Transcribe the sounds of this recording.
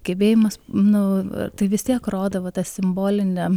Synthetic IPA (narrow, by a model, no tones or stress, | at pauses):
ɡ̥ʲɛbʲeːjɪmɐsnʊ̰t̪ɐɪʋʲɪst̪ʲiɛkroːd̪ɐʋɐt̪ɐsʲɪmboːlʲɪnʲɛ